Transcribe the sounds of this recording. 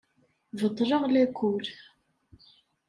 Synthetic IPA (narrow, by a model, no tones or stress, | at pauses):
vəd̪ˤɾˤəʁlækʷul